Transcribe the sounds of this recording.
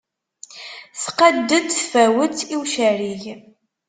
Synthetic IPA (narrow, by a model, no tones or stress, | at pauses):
θqəd̪ːəd̪fæwət͡siwʃæɾiʝ